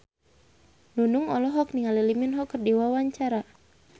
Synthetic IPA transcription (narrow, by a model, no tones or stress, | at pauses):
nunuŋɔlɔɦɔkniŋaliliminɦɔkːərdiwawaɲt͡ʃaɾa